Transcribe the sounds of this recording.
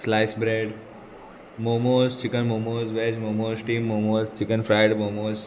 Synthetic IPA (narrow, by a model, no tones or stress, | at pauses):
slaɪsbɾeɖ | momoːzt͡ʃɪkənmomoːzʋeːd͡ʒmomoːzʈiːmːomoːzt͡ʃikənfʰɾaɪɖmomoːz